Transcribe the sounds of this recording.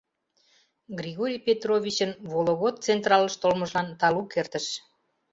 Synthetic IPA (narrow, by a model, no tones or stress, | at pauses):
ɡrʲiɣoɾʲijpʲet̪rovʲit͡ɕənβoloɣot̪̚t͡sent̪rɑləʃt̪olmə̆ʒlɑnt̪ɑlukert̪əʃ